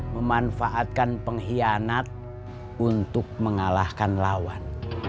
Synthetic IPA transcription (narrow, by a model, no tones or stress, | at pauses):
məmanfaʔat̪̚kanpəŋɦianat̪̚ | unt̪ʊk̚məŋalahkanlawan